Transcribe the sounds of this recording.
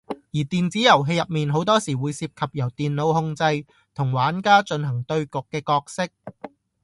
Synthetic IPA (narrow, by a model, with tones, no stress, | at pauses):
jiː˨˩t̪iː˨nt͡siː˨˥jɐ˨˩wɦe˧jɐ˨p̚miː˨nɦo˨˥wt̪ɔː˥siː˨˩wuː˨˧jsiː˧p̚kʰɐ˨p̚jɐ˨˩wt̪iː˨nlo˨˧wɦʊ˧ŋt͡sɐ˧j | t̪ʰʊ˨˩ŋwaː˨˥nkaː˥t͡ʃɵ˧nɦɐ˨˩ŋt̪ɵ˧ɥkʊ˨kːɛː˧kɔː˧k̚sɪ˥k̚